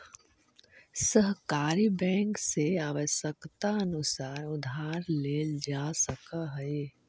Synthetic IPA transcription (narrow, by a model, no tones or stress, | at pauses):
səɦkaːɾibɛ̃ːŋkseaːʋəʃəkt̪aənʊsaːɾʊd̪ʱaːɾleːld͡ʒasəkaɦəe